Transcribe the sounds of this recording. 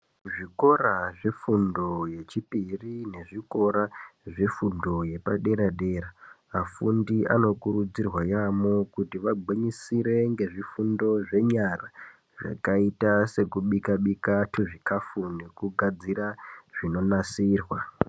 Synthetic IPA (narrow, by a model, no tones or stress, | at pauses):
ʐiko̞raʐifundo̞je̞t͡ʃipirine̞ʐiko̞ɾaʐefundo̞je̞paɗe̞ɾaɗe̞ːɾa | afundiʔa̰no̞kuɾud͡zirwajamokutiʋaɡ͡bʱiɲisiɾe̞ŋɡe̞ʐifundo̞ʐe̞ɲara | ʐa̰kaitase̞kuɓikaɓikatʰuʐikafune̞kuɡʱad͡ziɾaʐ̥ino̞nasiːrwa